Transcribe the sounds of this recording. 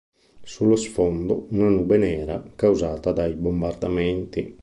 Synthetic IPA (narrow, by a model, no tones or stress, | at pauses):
sulːosfɔnd̪o̰unanubɛnɛːɾa̰kawzaːt̪ad̪ajbombard̪amɛnt̪i